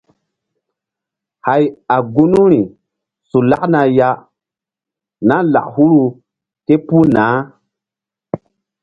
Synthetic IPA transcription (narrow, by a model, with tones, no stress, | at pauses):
ha˨ja˨ɡu˦nu˦ɾi˨ | su˨la̰˦ʔna˨ja˦ | na˦la̰˨ʔhu˦ɾu˨ | ke˦pu˦naː˨˦